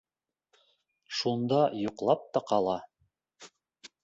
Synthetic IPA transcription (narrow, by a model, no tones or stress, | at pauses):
ʃund̪ɑjuqlˠɑp̚t̪ɑqɑlˠɑ